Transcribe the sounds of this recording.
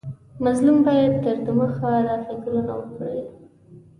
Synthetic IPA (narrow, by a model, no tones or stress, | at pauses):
mazlumbɑjad̪̚t̪əɾd̪əməxaɾɑfiklana̰wəkɽe